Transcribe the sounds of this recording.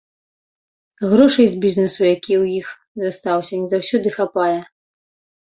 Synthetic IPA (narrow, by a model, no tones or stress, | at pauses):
ɣɾɔʂɐjzʲbʲiznɨsujakʲiwjix | zast̪awsʲɐnʲizawsʲɔd̪ɨxapajɛ